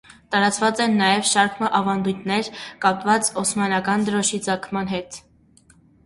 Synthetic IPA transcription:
t̪ɑɾɑt͡svɑt͡sɛnːɑjɛvʃɑɾkʰməʔɑvɑnd̪ujt̪ʰnɛɾkɑpvɑt͡sɔsmɑnɑkɑnd̪əɾɔʃid͡zɑkʰmɑnɦɛt̪

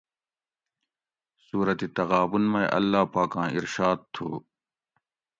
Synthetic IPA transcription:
suːɾɐt̪it̪ɐɣaːbunmɐ̃eʔɐ̰lːaːpaːkãːiɾʃaːd̪̚t̪ʰo̰ː

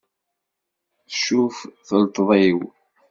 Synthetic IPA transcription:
θəʃːufθəlt̪ˤðˤiw

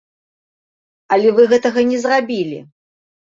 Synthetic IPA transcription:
ɐlʲɛvɨɣɛt̪ɐɣɐnʲɛzrabʲilʲḭ

